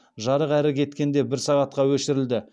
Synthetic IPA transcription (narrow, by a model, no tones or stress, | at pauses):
ʒɑɾəqæɾɪkʲʰe̞t̪kʲe̞nd̪e̞bɪɾsɑʁɑt̪qɑwɵʃɪɾɪld̪ɪ